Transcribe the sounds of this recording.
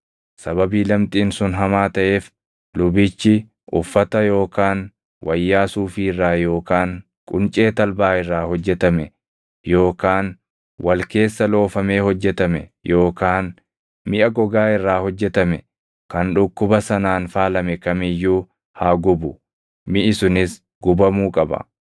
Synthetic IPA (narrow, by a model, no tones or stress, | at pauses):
sɐbɐbiːlɐmt̪ʼiːnsʊnɦɐmaːt̪ɐʔe̞ːf | lʊbɪt͡ʃːɪ | ʊfːɐt̪ɐjo̞ːkaːn | wʔɐjːaːsuːfirːaːjo̞ːkaːŋ | kʼʊnt͡ʃʼe̞ːt̪ɐlbaːɪrːaːhɔd͡ʒːɛt̪ɐmɛ | jo̞ːkaːn | wʔɐlke̞ːsːɐlo̞ːfɐme̞ːhɔd͡ʒːɛt̪ɐmɛ̰jo̞ːkaːn | mɪʔɐɡɔɡaːɪrːaːhɔd͡ʒːɛt̪ɐmɛ | kɐnᶑʊkːʊbɐsɐnaːnfaːlɐmɛkɐmɪjːuː | haːɡʊbʊ | mɪʔɪsʊnɪs | ɡʊbɐmuːkʼɐbɐ̰